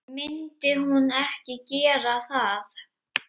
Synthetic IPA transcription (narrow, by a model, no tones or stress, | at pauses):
mɪnt̪ɪhunɛhcɪcɛːɾaθaθ